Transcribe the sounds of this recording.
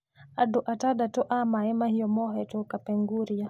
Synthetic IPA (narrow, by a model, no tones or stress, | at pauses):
adɔʔatadatɔʔamaɛmahiɔmɔɦɛtɔkapɛŋɡuɾia